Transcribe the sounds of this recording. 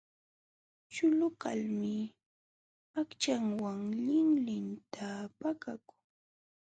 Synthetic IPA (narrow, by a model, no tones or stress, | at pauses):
t͡ʃʊlʊka̰lmɪ | akt͡ʃaŋwaŋʎɪŋlɪnt̪ʰapakakʊ̥ŋ